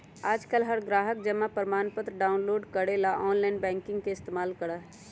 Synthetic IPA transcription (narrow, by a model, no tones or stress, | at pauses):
aːd͡ʒkəlɦəɾɡɾaːɦək̚d͡ʒəmapəɾmaːnpət̪ɾɖaːʊnloːɖkəɽelaʔɔːnlaɪnbɛ̃ːŋkɪ̃ŋɡkeɪst̪eːmaːlkəɽəɦ